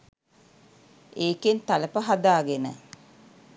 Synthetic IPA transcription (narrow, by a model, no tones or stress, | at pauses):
eːkent̪aləpəɦad̪aːɡenə̰